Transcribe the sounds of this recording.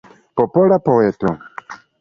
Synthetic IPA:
pɔpɔlapɔwɛtɔ̰

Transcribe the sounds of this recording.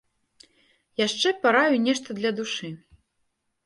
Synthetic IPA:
jaʂt͡ʂɛpaɾajunʲɛʂt̪ɐd̪lʲɐd̪uʂɨ

